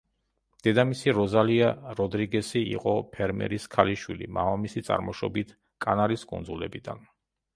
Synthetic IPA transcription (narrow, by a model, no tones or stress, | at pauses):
d̪̥ɛd̪amisiɾɔzaliaɾɔd̪ɾiɡɛsiḭqʼɔpʰɛɾmɛ̰ɾiskʰaliʃwilḭma̰vamisit̪sʼa̰ɾmɔʃɔbit̪ʰ | kʼanaɾiskʼṵnd̪zulɛbid̪an